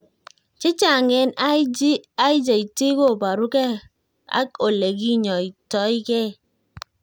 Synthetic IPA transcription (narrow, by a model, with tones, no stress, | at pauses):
t͡ʃe˦t͡ʃa˦˨ŋɛ˦na˦d͡ʒi˦a˦i˦d͡ʒa˨i˨te˦ko˦˨ba˨ɾu˦kɛ˦ | a̰˦o˨le˨ɡi˦ɲɔ˨i˨tɔ˨˦i˦kɛ˦˨